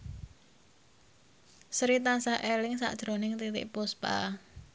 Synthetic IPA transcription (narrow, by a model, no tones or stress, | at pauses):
sɾit̪ansaʔelɪŋsa̰ʔd̥ʒ̥ɾo̤nɪŋt̪it̪ɪ̰ʔpʊspa̰